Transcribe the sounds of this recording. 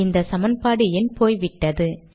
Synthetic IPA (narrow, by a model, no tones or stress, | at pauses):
ɪnd̪ɐsɐmɐnpaːɽɯɛnpoːjʋɪʈːɐðɯ